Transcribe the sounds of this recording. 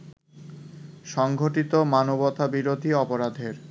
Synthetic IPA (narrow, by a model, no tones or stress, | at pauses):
ʃɔŋɡʱoʈit̪omanobɔt̪ʰabiɾod̪ʱiɔpoɾad̪ʱeɾ